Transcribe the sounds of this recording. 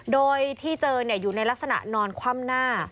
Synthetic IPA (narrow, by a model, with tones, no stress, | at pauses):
doː˧jt̪ʰiː˥˩t͡ɕɤː˧ni˥˩ɐjuː˨˩na˧jla˦˥k̚sa˧na̰˨˩ʔnɔː˧nkʰwaː˥˩mnaː˥˩